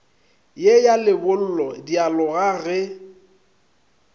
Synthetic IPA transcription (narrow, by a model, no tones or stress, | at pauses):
jejalɪbʊl̩lɔdialʊɣaɣɛ